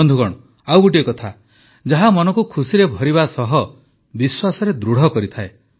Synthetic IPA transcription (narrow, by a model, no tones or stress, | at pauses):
nd̪ʱukɔɽ̃ɔ | awbuʈ̬iekɔt̪ʰa | d͡ʒaɦamɔnɔŋkukʰusiɾebʱɔɾiβasɔɦɔ | biswasɔɾed̪ɾuɽ̤ɔkɔɾit̪ʰae